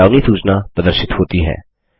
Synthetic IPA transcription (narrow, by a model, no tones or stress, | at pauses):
aːnisuːznaːpɾəd̪əɾsɪt̪ɦoːt̪iɦɛ̰ː